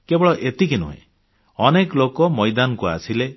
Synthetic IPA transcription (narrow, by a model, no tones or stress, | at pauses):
kebɔɭɔʔet̪ik̬inṵɦḛ̃ | ɔneklokɔmɔjd̪anɔkua̰sile